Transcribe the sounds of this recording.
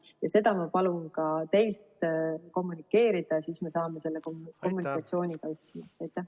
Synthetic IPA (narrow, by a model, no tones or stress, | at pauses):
jɑse̞d̪ɑmɑpɑlunkɑt̪e̞jlt̪ko̞mːunikːˑe̞ːɾid̪̥ɑsiːsme̞sɑːmese̞lːe̞koko̞mːunikːˑɑt̪sio̞ːnʲikɑyht̪simɑ̰ɑjt̪ːˑæh